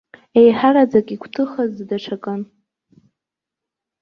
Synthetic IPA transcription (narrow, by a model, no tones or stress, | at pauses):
e̞jħaɾad͡zakʼikʷʰtʰɨχazdaʈ͡ʂʰakʼɨn